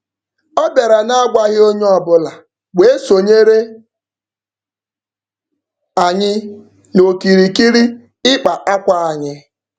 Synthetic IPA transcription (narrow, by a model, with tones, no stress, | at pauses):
ɔ˦be˨ɾa˨na˦a˦ɡʷa˦ɣɪ˦o˦ɲ˦ɔ˨bʊ˦la˨ | we˦e˦so˨ɲe˦ɾe˦ | a˨ɲɪ˦ | no˨ki˨ɾi˨ki˦ɾi˦ | ɪ˦k͡pa˨ʔa˦kʷa˦a˨ɲɪ˦